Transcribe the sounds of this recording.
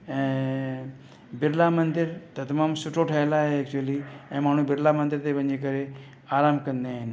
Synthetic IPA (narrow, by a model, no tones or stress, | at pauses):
ɛ̃ | bɪɾlamɐ̃nd̪ɪɾt̪ɐt̪ɐmaːmsʊʈʰoʈʰaelaɦeɛk̚t͡ʃuəliɛ̃ːmaːɳ̤ũbɪɾlamə̃nd̪ɪɾt̪eʋə̃nd͡ʒek̬əɾe | aːɾaːmkɐnd̪eaːɦɪn